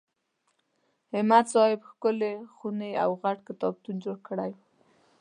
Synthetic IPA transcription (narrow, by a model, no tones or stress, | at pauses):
hɪmat̪sɑhɪbxkʊlexunea̰wɣaʈkɪt̪ɑb̚t̪und͡ʒoɽkəɽaj